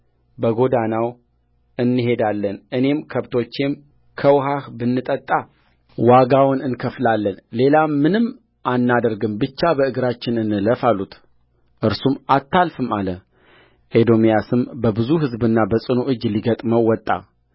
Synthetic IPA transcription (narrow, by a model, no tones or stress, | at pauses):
bəɡo̞d̪anaw | ɨnːɨɦe̞d̪alːənʔɨne̞mkʰəβt̪ʰo̞t͡ʃːe̞m | kʰəwɦahbɨnːɨt̪ʼət̪ʼːa | waɡawʊnɨnkʰəflalːənle̞lamːɨnɨm | ʔanːad̪əɾɡɨmbɨt͡ʃːabəɨɡɾat͡ʃːɪnɨnɨləfalut̪ | ʔɨɾsumat̪ʰːalfɨmalə | ʔed̪o̞mijasɨmbəbɨzuɦɨzbɨnːabəsʼɨnoʔɨd͡ʒːliɡət̪ʼməwːɔt̪ʼːa̰